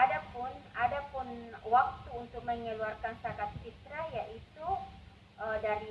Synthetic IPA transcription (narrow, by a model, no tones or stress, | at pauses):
adapʊnadapʊnwak̚t̪uːnt̪ʊk̚məɲəluarkansakat̪̚t͡ʃit̪ɾajaʔit̪u | ədaɾi